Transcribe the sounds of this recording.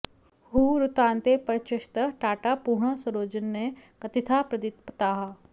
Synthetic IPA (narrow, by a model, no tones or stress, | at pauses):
huːɾʊt̪ãːnt̪epəɾt͡ʃəʃt̪əʈaːʈapuːɾɳasəɾoːd͡ʒənːekət̪ɪt̪ʰaːpɾəd̪ɪt̪pət̪aːɦaː